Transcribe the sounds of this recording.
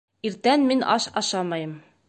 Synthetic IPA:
iɾt̪ænminʔɑ̰ʃɑ̰ʃɑmɑjɤm

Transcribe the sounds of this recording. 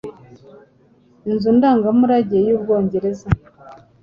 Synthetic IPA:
inzundaːŋɡamuɾaɟiejuːbɡo̞ːɲɟe̞ɾe̞za

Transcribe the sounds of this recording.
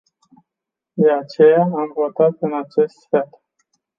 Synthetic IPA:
d̪e̞at͡ʃe̞jaamvo̞t̪at̪ɨnat͡ʃe̞st̪fet̪

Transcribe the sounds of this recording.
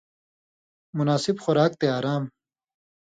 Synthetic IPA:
munaːsibxoɾaːk̚t̪eaːɾaːm

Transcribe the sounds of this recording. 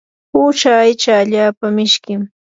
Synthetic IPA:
ut͡ʃaːjt͡ʃaːʎaːpamɪʃkɪm

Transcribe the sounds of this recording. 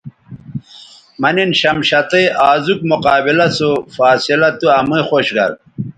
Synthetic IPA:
mɐninɕɐmɕɐt̪eʔaːzukmuqaːbilɐsofaːsilɐt̪uɐmuixoːɕɡɐ̰ɾ

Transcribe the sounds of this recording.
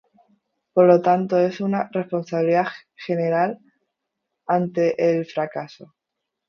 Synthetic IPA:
po̞ɾlo̞t̪ant̪o̞e̞sunare̞spo̞nsaβiliðaxe̞ne̞ɾal | ant̪e̞ʔːlfɾakaso̞

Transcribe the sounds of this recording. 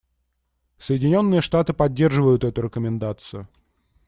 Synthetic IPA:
səjɪdʲɪnʲo̞nːɨjəʂt̪at̪ɨpɐdʲːe̞rʐɨvəjʊt̪ɛt̪ʊɾʲɪkəmʲɪnd̪at̪sɨjʊ

